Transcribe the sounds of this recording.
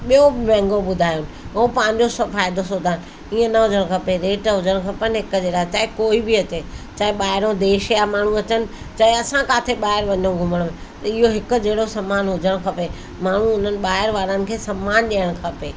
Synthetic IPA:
ɓijomɛ̃ːŋɡoɓʊd̪ʱaːjʊnɪ̆ũpɐ̃ɦɪ̃ɲ̆d͡ʑosɐfaːɪd̪ʱosoːd̪ʱaːnɪ̆ | iːə̃nɐɦʊd͡ʑəɽ̃kʰɐpeɾeːʈɦʊd͡ʑʱəɽ̃kʰɐpənɦɪkd͡ʑeːɽaːt͡ɕaːɦɪkoːibɪɐt͡ɕeːt͡ɕaːɦeɓaːɦɪɾõd̪eːʃjamaːɳ̤ũɐt͡ɕənɪ̆ | t͡ɕɐɦeɐsãkaːt̪ʰeɓaːɦɪɾʋɐɲõɡʱʊməɽ̃ʊmẽ | t̪ɐɪɦoɦɪk̆d͡ʑeːɽosɐmaːnɦʊd͡ʑʱəɽ̃kʰɐpe | maːɳ̤ũʊn̤ənɪ̆ɓaːɦɪɾʋaːɾənɪ̆kʰeːsɐmːaːnɗiəɽ̃kʰɐpeː

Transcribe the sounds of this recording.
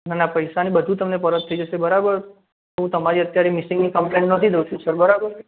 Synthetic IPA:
nanapəjʃanibəd̪ʱũt̪əmnepəɾət̪ʰːəid͡ʒəʃebəɾabəɾ | t̪oɦũt̪əmaɾiət̪jaɾemɪsɪ̃ŋɡnikəmplẽɳʈnət̪ʰid̪əʃisəɾbəɾabəɾ

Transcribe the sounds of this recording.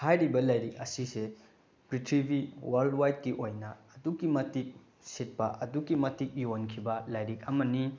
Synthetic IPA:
hajɾibɐlajɾik̚ɐsise | pɾitʰɾibiwaɾldwajt̚kiʔojnɐːduɡimɐtik̚ | set̚pɐʔɐduɡimɐtik̚jonkʰibɐlajɾik̚ɐmɐni

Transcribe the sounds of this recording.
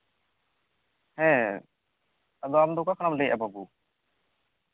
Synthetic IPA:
hɛ̃ | ɐd̪ɔamd̪ɔkakʰaɽ̃amlɛjʔa̰babu

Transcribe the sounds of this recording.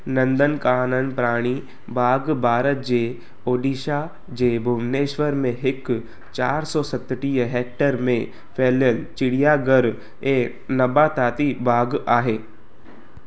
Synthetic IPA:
nɐ̃nd̪ənkaːnənpɾaːɽ̃i | bʱaːɡbʱaːɾət̪̚d͡ʑeː | oːɗiːʃa | d͡ʑeːbʱʊmneːʃʋəɾmẽɦɪk | t͡ʃaːɾsɔːsɐt̪ʈiːəɦɛːk̚ʈəɾmẽ | fʰeːljəlt͡ʃɪɽijaːɡəɾ | eː | nɐbaːt̪ʰaːt̪ibʱaːɡaːɦeː

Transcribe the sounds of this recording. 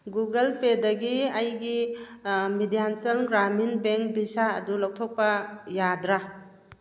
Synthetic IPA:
ɡuɡɐlpedɐɡiɐjɡi | midijansɐlɡɾaminbeŋk̚bisaɐ̰dulɔw̚tʰɔk̚pɐjadɾa

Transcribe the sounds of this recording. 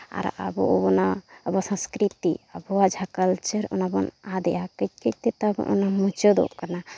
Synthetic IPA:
a̰ɾa̰bɔ̰bɔnaːbasãskɾit̪iabɔad͡ʒʱakəlt͡ʃəɾɔ̰nabɔnad̪ɛjakət̚kəc̚t̪et̪abɔ̰ʔɔnamut͡ʃod̪ɔ̰ʔkana

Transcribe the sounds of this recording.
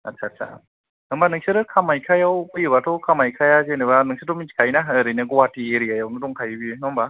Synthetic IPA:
a̰tsʰaːsʰa̰ | nɯmbanɯŋsɯɾɯkʰamajkʰajawɯjɯbatʰɔkʰamajkʰajazenɯβanɯŋsʰɯtɔminsi̥kʰajnaɾɯjnɯɡɔwatieɾijajawnɯdɔŋkʰajbinɔmba

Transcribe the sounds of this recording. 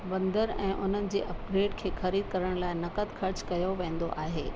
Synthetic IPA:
ʋɐ̃nd̪əɾɛ̃ːʔʊn̤ənɪ̆d͡ʑeːʔɐp̚ɡɾeːɖkʰeːxɐɾiːd̪̚kɐɾəɽ̃laːɪnɐkət̪xʰɐɾt͡ɕkɐjoʋẽːn̆d̪o̰ʔaːɦeː

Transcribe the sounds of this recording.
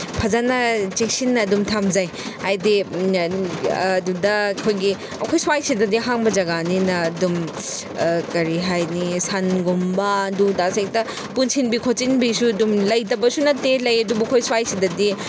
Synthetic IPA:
pʰɐzanɐt͡ʃek̚sinːɐːdumtʰamzaj | hajdi | dudɐkʰojɡi | ɐkʰojswajsidɐdiɦaŋbɐd͡ʒɐɡaninɐdum | kɐɾiɦajnisanɡombɐɐdudasek̚tɐ | punsinbikʰot͡ʃinbisuɐdumlɐjtɐbɐsunɐtːelɐjɐdubɐkʰojswajsidɐdi

